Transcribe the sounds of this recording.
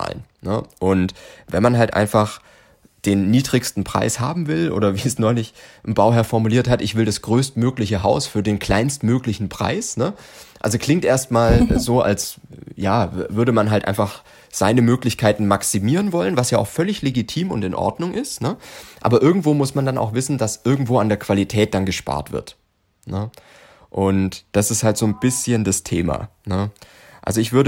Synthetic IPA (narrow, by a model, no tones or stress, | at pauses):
a̰ːlə̰n | nə̰ʔʊntvɛnmanɦaltʔa̰ɪnfaχ | d̥eːnːiːdʁɪçstn̩pʁ̥a̰ɪsha̰ːbm̩vɪlʔo̰ːdɾɐviːɛsnɔʏlɪçʔɪmbaʊɦɛɐfɔɐmuliːɐthatʔɪçv̥ɪldasɡ̥ʁøːstmøːklɪçəɦaʊsfyːɐdeːnkl̥aɪnstmøːklɪçn̩pʁ̥a̰ɪsnəʔa̰lzoklɪŋtʔeːɐstmaːlzoːʔa̰lsjaːvʏɐɾəmanɦaltʔa̰ɪnfaχ | z̥aɪnəmøːklɪçkʰaɪtn̩maksimiːʁ̞ənvɔlənvasjaːʔaʊxfœlɪçleɡitʰiːmʊ̰ntɪnʔɔ̰ɐdnʊŋʔɪstnəʔa̰ːbɐʔɪɐɡŋ̩tv̥oːmʊsmandana̰ʊxv̥ɪsn̩dasʔɪɐɡŋ̩tv̥oːandeːɐkv̥alitʰɛːt̚d̥anɡəʃpa̰ːɐtv̥ɪ̰ɐt | nə | ʔʊntd̥asɪsthaltz̥oːnb̥ɪsçəndastʰḛːma̰ːnə | ʔa̰lzoɪçv̥ʏɐɾə